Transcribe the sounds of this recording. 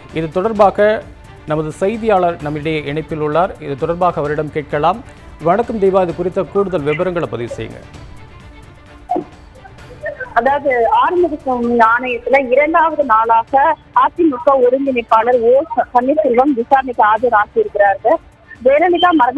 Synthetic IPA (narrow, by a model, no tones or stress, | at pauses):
ɪðɯt̪ːɔɽɐɾbaːɣɐ | nɐmɐðɯsɐɪðɪjaːɭɐɾnɐmːɪɽɐjɐʔɛɳɐɪpːɪlʊɭːaːɾɪðɯt̪ɔɽɐɾbaːɣɐɐʋɐɾɪɽɐmkeːʈ̚kɐɭaːmʋɐɳɐkːɯmd̪ejʋaːɪðɯkʊɾɪt̪ːɐkuːɽɯðɐlʋɪbɐɾɐŋɡɐɭɐpːɐðɪʋɯsɛ̰jːɯ̰ŋɡɐ̰ | ɐðaːʋɐðɯaːɾɐmbɐðɯsɐmiaːɳɐjɐt̪ːɪlɐɪɾɐɳɖaːʋɐðɯnaːlaːɣɐ | aːt̪ːimʊkːɐɔɾɯŋɡɪnɪpːaːlɐɾoːpɐɳːɪsɪlʋɐmʋɪsaːɾɐnɪkːɐaːðɪɾaːsɪɪɾɯkːɪɾaːɾɯɣɐ | ʋeːɾɐlɪðãːmɐɾɐŋ